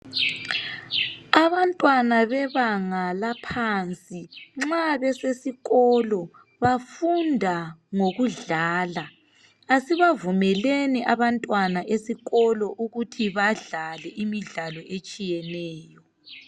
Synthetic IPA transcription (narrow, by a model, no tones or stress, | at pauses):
aβantʼwanaβɛβaŋalapʰant͡sʼiŋ͡ǁaβɛsesiɣɔlɔ | βafundʱaŋoɣuɮaːla | asiβavumɛleniʔaβantʼwanaʔesiɣɔlɔʔuɣutʰiβaɮalɛʔimiɮalɔʔet͡ʃʼijɛnɛːjɔ